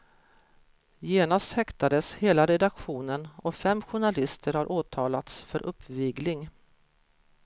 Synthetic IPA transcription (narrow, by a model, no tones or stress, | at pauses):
jeːnast̪hɛkt̪ad̪əsheːlaɾɛd̪akɧuːnənɔfɛmːɧʊɳalɪst̪ʰəɾhaɾʔoːt̪ʰɑːlat̪sfœɾʔɵpʰːviːɡlɪŋ